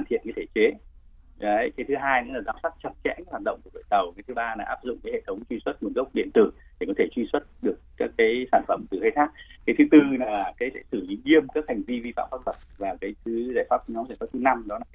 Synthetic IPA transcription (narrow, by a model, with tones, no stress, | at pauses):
aː˨˩t̪ʰḭ˧˨ənkaː˨˦jt̪ʰe̥˧˩t͡ɕe˨˦ | ə˨˦jkaː˨˦jt̪ʰɨ˨˦ɦaː˧jkɨ̰˧˥laː˨˩zaː˨˦wsa˦˥k̚t͡ɕə˨˧˩t̚t͡ɕɛ̰˧˥ka˧˦jhwaː˨˩t̚ɗə̰˧˨ŋ͡mku˧˩ɗo̰ː˧˨t̪ə˨˩wkaː˨˦t̪ʰɨ˨˦ɓaː˧naː˨˩ʔaː˦˥p̚zʊ̰˧˨ŋ͡mkaː˨˦he˧˨t̪ʰə˨˦wŋ͡mt͡ɕwi˧swə˦˥t̚m̚˨˩zə˦˥wk͡p̚ɗḭ˧˨ənt̪ɨ˧˩ | ɗe˨˩kɔ˨˦t̪ʰe˧˩t͡ɕwi˧swə˦˥t̚ɗɨ˨˩ək̚kaː˦˥kːaː˨˦jsaː˧˩nfə˧˩mt̪ɨ˨˩həː˧jt̪ʰaː˦˥k̚kaː˨˦jt̪ʰɨ˨˦t̪ɨ˧naː˨˩kaː˨˦jsɛ̰˧˥sɨ˧˩li˨˦ɲi˧əmkaː˦˥k̚ha˨˩jŋ̟vi˧vi˧fa̰ː˧˨mfa˦˧t̚twə˨˩t̚vaː˨˩kaː˨˦jt̪ʰɨ˨˦zaː˧˩jfaː˦˥p̚t̪ːɲɔ˨˦wzaː˧˩faː˦˥t̪ɨ˨˦na˧mɗɔ˨˦laː˨˩˦